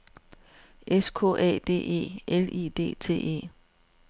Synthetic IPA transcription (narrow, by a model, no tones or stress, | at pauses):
ʔeskʰo̝̰ːʔɛ̰ːd̥e̝̰ːe̝̰ːelḭːd̥e̝̰ːt͡sʰe̝̰ːe̝̰ː